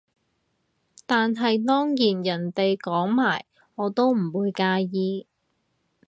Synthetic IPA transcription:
t̪aː˨nɦɐ˨jt̪ɔː˥ŋjiː˨˩njɐ˨˩nt̪e˨jkɔː˨˥ŋmaː˨˩j | ŋɔː˨˧t̪o˥wm̩˨˩wuː˨˧jkaː˧jiː˧

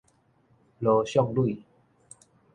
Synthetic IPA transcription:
lo˧ɕjɔ˥˧˨ŋlu˥˨

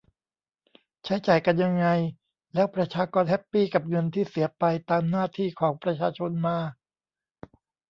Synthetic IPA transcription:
t͡ɕʰa˦˥jt͡ɕaː˨˩jka˧nja˧ŋːa˧j | lɛː˦˥wpɾa˧t͡ɕʰaː˧kɔː˧nhɛ˦˥pːiː˥˩ka˨˩p̚ŋɤ˧nt̪ʰiː˥˩si˩˦ɐpa˧jt̪aː˧mnaː˥˩t̪ʰiː˥˩kʰɔː˩˦ŋpɾa˧t͡ɕʰaː˧t͡ɕʰo˧nmaː˧

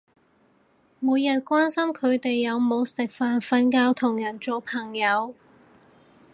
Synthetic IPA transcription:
muː˨˧jɐ˨˩t̚kʷwaː˥nsɐ˥mkʰɵ˨˧ɥt̪e˨jːɐ˨˧wmo˨˧wsɪ˨k̚faː˨nfɐ˧nkaː˧wt̪ʰʊ˨˩ŋjɐ˨˩nt͡ʃo˨˧wpʰɐ˨˩ŋjɐ˨˧w

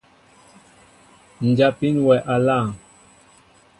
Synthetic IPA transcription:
n̩˨d͡ʒa˨pi˦nwɛ˨ʔa˨la˦˨ŋ

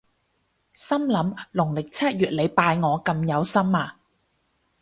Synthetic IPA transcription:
sɐ˥mlɐ˨˧˥mlʊ˨˩ŋlɪ˨k̚t͡sʰɐ˥t̚jyː˨t̚le˨˧jpaː˧jŋɔː˨˧kɐ˧mjɐ˨˧wsɐ˥maː˧

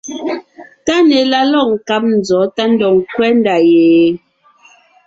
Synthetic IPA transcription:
ta˦nɛ˨la˦lɔ˦˨ŋ̩˨ka˦p̚n̩˨d͡zɔ˨˦ta˦n̩˦dɔ˨ŋ˨kwɛ˦n˦da˨jeː˨˦

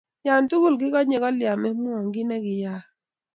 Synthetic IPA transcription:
ja˨ntu˦ɡu˦˨lɡɪ˦kɔ˦ɲe˨kɔ˦lɪja˨mɛ˦mu˦ɔ˨ŋɡɪ˦nɛ˦ɡɪ˨ja˦

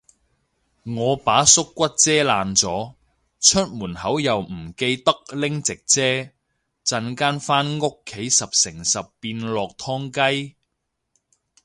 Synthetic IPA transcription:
ŋɔː˨˧paː˨˥sʊ˥kːʷɐ˥t̚t͡sɛː˥laː˨nt͡sɔː˨˥ | t͡ʃʰɵ˥t̚muː˨˩nhɐ˨˥wjɐ˨wm̩˨˩ke˧jt̪ɐ˥k̚lɪ˥ŋt͡sɪ˨k̚t͡sɛː˥ | t͡sɐ˧nkaː˥nfaː˥nŋʊ˥kʰːe˨˥jsɐ˨p̚sɪ˨˩ŋsɐ˨pːiː˧nlɔː˨k̚t̪ʰɔː˥ŋkɐ˥j

